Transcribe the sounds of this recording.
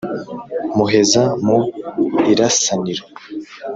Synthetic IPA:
muɦe̞zamuiɾasaniɾo

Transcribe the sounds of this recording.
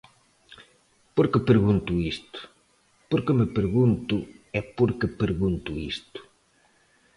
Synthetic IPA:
poɾkɪpeɾɣunt̪uist̪ʊ̥ | poɾkemepeɾɣunt̪ʊɛpoɾkepeɾɣunt̪uist̪ʊ̥

